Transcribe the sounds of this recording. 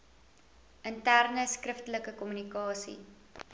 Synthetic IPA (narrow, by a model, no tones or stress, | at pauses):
ʔəntærnəskrəftələkəkɔmynikɑːsḭ